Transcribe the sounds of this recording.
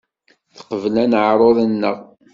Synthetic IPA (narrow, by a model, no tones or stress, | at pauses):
θə̥qəvəlænəʕɾˤoðˤənːəʁ